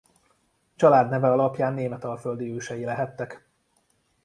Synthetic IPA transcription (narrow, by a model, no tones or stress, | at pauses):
t͡ʃɒlaːd̪nɛvɛɒlɒpjaːnːeːmɛt̪ɒlføld̪iøːʃɛjilɛɦɛt̪ːɛk